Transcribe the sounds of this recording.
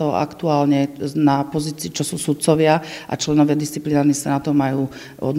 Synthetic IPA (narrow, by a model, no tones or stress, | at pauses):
ɔ̰ʔa̰kt̪uaːlɲɛnapɔziːt͡siːt͡ʃɔsuːsut̪̚t͡sɔʋɪaʔa̰t͡ʃlɛnɔʋɪad̪ist͡siplinaːɾnisanat̪ɔmajuː | ɔ̰d̪